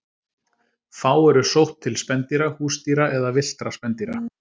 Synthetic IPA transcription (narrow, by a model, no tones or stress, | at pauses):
faːwɛɾʏsowht̪ʰːɪlspɛnt̪iɾahuːst̪iɾaʔɛðavɪl̥t̪ɾaspɛnt̪iɾa̰